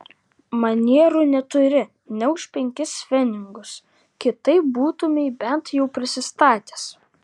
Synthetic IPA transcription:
mɐnʲiɛɾuːnʲɛt̪ʊɾʲɪ | nʲɛʊʃʲpʲɛŋʲkʲɪsʲʋʲɛnʲɪŋɡʊs | kʲɪt̪ɐɪp̚buːt̪ʊmʲɛɪbʲɛnt̪jɛʊpʲɾʲɪsʲɪst̪ɑːt̪ʲeːs

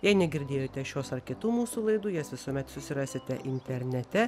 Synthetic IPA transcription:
jɛɪnʲɛɡʲɪɾʲd̪ʲeːjoːt̪ʲɛʃʲoːsɐɾkʲɪt̪uːmuːsuːlˠɐɪd̪uːjɛːsʋʲɪsuɔmʲɛt̪sʊsʲɪɾɑːsʲɪt̪ʲɛʔɪnʲt̪ʲɛɾʲnʲɛt̪ʲɛ

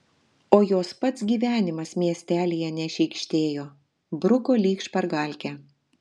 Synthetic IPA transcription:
oːjoːspɐt̪sɡʲiːʋʲæːnʲɪmɐsmʲiɛsʲt̪ʲæːlʲijɛnʲɛʃʲɛɪkʃʲt̪ʲeːjoː | bɾʊkoːlʲiːkʃpɐɾɡɑˑlʲkʲɛ

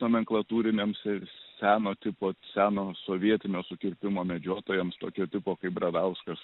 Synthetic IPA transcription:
oːmʲɛŋklˠɐt̪uːɾʲɪnʲeːmsɛsʲæːnoːt̪ʲɪpoːsʲæːnoːsoːʋʲiɛt̪ʲɪnʲoːsʊkʲɪɾʲpʲɪmoːmʲɛd͡ʒʲoːt̪oːjɛmst̪o̰ːkʲoːt̪ʲɪpoːkɐɪp̚bɾɐd̪ɐʊskɐs

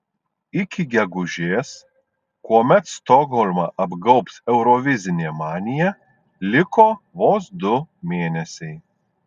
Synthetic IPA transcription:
ɪkʲɪɡʲɛɡʊʒʲeːs | kuɔmʲɛt̪st̪ɔɡɦɔlʲmɐʔɐbɡɐʊpsɛʊɾɔʋʲɪzʲɪnʲemɑːnʲɪjɛ | lʲɪkoːʋoːsd̪ʊmʲeːnʲɛsʲɛɪ

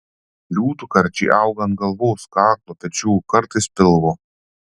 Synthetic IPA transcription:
lʲuːt̪ukɐɾʲt͡ʃʲḭːʔɐʊɡɐnt̪̚ɡɐlˠʋoːskɑːklˠoːpʲɛt͡ʃʲuːkɐɾt̪ɐɪspʲɪlˠʋoː

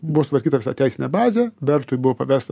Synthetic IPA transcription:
bʊʋoːsʊt̪ʋɐɾʲkʲiːt̪ɐʋʲɪsɑ̰t̪ʲæɪsɪnʲɛbɑːzʲɛʋʲɛɾt̪ʊɪbʊʋoːpɐʋʲæːst̪

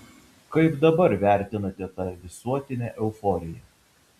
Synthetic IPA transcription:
kɐɪpd̪ɐbɐɾʋʲæˑɾʲt̪ʲɪnɐt̪ʲɛt̪ɑʋʲɪsuɔt̪ʲɪnʲæʔɛʊfɔɾʲɪjɛˑ

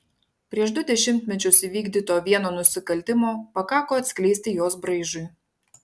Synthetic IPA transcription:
pʲɾʲiɛʃd̪ʊd̪ʲɛʃʲɪmʲt̪ʲmʲɛt͡ʃʲʊsiʋʲiːɡd̪ʲiːt̪oːʋʲiɛnoːnʊsʲɪkɐlʲt̪ʲɪmoːpɐkɑːkoːɐt̪ʲsʲkʲlʲɛɪsʲt̪ʲɪjoːsbɾɐɪʒʊɪ

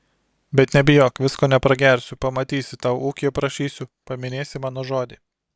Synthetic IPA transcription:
bʲɛt̪nʲɛbʲɪjoːkʋʲɪskoːnʲɛpɾɐɡʲɛɾʲsʲʊpɐmɐt̪ʲiːsʲɪt̪ɑʊuːkʲɪpɾɐʃʲiːsʲʊpɐmʲɪnʲeːsʲɪmɑːnoːʒoːd̪ʲiː

